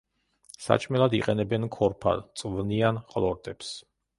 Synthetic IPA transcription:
sa̰t͡ʃʼmɛlˠad̪iqʼɛnɛbɛnkʰɔɾpʰa̰dt̪sʼvnianqʼlˠɔɾt̪ʼɛps

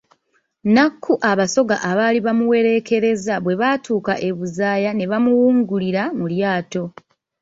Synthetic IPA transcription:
nakʰːuʔaβaso̞ɡa̰ʔaβaːliβamuwe̞ɾe̞ke̞ɾe̞zaβwe̞βaːtuːkaʔe̞βuzaːjane̞βamuwuːŋɡuliɾamuljaːto̞

